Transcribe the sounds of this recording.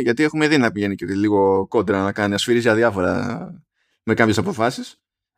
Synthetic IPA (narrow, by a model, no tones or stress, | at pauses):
ʝɐt̪ie̞xume̞ðinɐpiʝeniceliɣo̞ko̞d̪ɾɐnɐkɐniɐsfiɾizʝɐðjɐfo̞ɾɐ̰ | me̞kɐmpçesɐpo̞fɐsis